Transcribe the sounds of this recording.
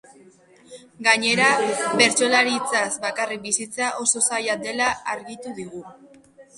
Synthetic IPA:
ɡaɲe̞ɾaβe̞ɾt͡so̞laɾit͡sazbakarik̚bisit͡saʔo̞so̞sajad̪e̞laaɾɣit̪uðiɣu

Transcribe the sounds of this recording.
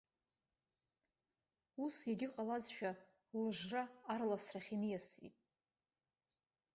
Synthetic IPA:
usjaɡʲɪqʼalazʃᶣa | lɨʐʷraːrlasraχʲinɨjasḭtʼ

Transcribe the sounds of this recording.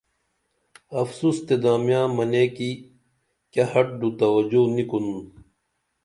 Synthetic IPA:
ɐfsuːst̪ed̪aːmijãːmɐneːki | kɐhɐʈ̚ɖut̪ɐwɐd͡ʑunikunu

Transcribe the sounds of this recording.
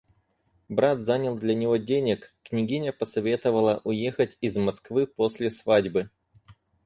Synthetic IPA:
bɾat̪zanʲɪlˠd̪lʲənʲɪvo̞dʲenʲɪkːnʲɪɡʲinʲəpəsɐvʲe̞t̪əvəlˠəʔʊje̞xətʲɪzmɐskvɨposʲlʲɪsvadʲbɨ

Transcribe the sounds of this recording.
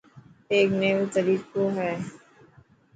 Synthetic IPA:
eːkneːʋt̪əɾiːkoɦɛː

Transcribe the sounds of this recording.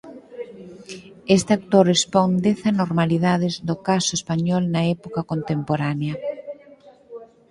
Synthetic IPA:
est̪eak̚t̪oɾespond̪eθanoɾmaliðaðɪzd̪okasʊespaɲɔlnɐɛpokɐkont̪empoɾaneɐ

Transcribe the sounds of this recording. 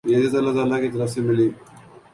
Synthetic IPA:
jed̪et̪ɐlːat̪̬aːlːakit̪ɐɾəfsemɪliː

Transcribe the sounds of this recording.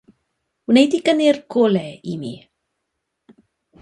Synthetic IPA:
hunetikənirkʰɔlɛimḭ

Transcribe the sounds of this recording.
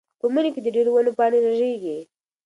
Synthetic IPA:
pəməneked̪əɖeɾowanopɑneɾaʒeɡi

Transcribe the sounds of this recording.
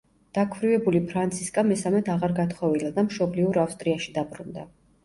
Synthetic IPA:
d̪̥akʰvɾivɛbulipʰɾant̪sʰiskʼamɛsamɛt̪ʰaʁaɾɡat̪ʰχɔvilad̪amʃɔbliuɾafst̪ʼɾiaʃid̪abɾund̪a̰

